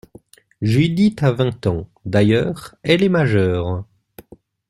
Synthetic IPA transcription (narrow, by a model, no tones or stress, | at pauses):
ʒyd̪it̪avɛ̃t̪ɑ̃d̪ajœːʁɛlɛmaʒœːʁ